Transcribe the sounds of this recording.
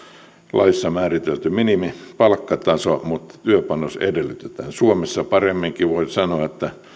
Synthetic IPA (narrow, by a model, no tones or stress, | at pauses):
lʔɑisːɑmæːrit̪elt̪yminimipɑlkːɑt̪ɑsomut̪t̪yøpɑnosḛdelːˑyt̪et̪æ̰ːnsuomesːɑpɑremːiŋkiʋoisɑnoɑet̪ːæ